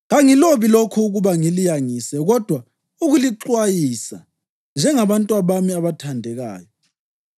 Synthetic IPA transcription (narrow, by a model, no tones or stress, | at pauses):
ɣaŋiloβilokʰuːɣuβaŋilijaŋisɛɣɔd̥ʱwa | uɣuliǃwajisa | nd͡ʒʱɛŋaβantʼwaβamiaβatʰandʱɛɣa̰ːjɔ